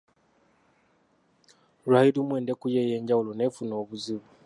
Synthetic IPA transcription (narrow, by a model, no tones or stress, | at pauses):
ɾahiɾumweːndekujejeːɲɟawulonefunoːβuziβu